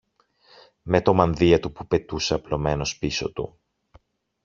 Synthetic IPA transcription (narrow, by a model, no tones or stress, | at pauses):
me̞t̪o̞mɐnðiɐt̪upupe̞t̪useɐplo̞me̞no̞spiso̞̰t̪ṵ